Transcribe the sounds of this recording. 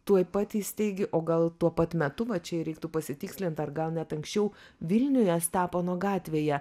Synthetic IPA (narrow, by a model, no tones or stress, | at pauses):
t̪uɔjpɑt̪ʲiːsʲt̪ʲɛɪɡʲɪʔoːɡɐlˠt̪uɔpɐt̪mʲɛt̪ʊʋɐt͡ʃʲɛɪɾʲɛɪkt̪ʊpɐsʲɪt̪ʲɪːksʲlʲɪnt̪ɐrɡɐlˠnʲɛt̪ɐŋksʲt͡ʃʲɛʊʋʲɪlʲnʲʊjɛst̪ɑːpoːnuɔɡɑːt̪ʲʋʲeːjɛ